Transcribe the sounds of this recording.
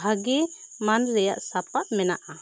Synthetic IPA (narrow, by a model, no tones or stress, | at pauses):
aɡɛ | manɾɛjaʔsapaʔmɛnaʔa